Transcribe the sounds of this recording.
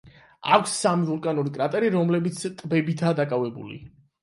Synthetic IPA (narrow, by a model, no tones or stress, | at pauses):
akʷʰsːamivulkʼanuɾikʼɾat̪ʼɛɾiɾɔmlɛbit̪sʰt̪ʼbɛbit̪ʰaːd̪akʼavɛbṵlḭ